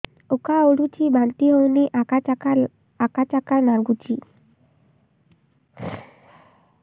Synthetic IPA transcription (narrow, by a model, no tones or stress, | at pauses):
okaoɽut͡ɕibãnt̪iɦowniʔakaaka | akat͡ɕakanaɾɡut͡ɕi